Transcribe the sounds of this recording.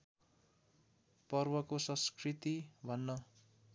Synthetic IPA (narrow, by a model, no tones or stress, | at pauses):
pʌrbʌkosʌ̃skrit̪ibʱʌnːʌ